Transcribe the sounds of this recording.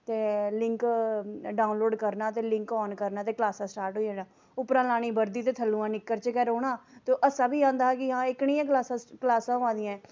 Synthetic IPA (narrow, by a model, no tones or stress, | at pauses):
t̪eːlɪŋk | ɖaːʊnloːɖkəɾnaːt̪eːlɪ̃ŋkɔːnkəɾnaːt̪̬eːklaːsãːsʈaːɾʈɦoːiãːnãː | ʊpɾãːlaːɽ̃iːbəɾd̪iːt̪eːt̪ʰəlːuːãːnɪkːəɾt͡ʃkɛːɾoːɳ̃aːt̪oːʔəsãːbʱiːãːnd̪aːɛkɪɦãːɪkɳɪ̃ːãːklaːsãklaːsãːɦoãːd̪ɪjãɛː